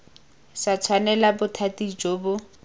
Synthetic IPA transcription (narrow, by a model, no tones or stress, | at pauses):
sat͡sʰwanɛlabʊtʰatid͡ʒoːbʊ